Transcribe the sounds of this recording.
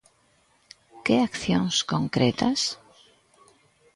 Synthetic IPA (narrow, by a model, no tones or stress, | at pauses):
keakθjõŋskoŋkɾet̪as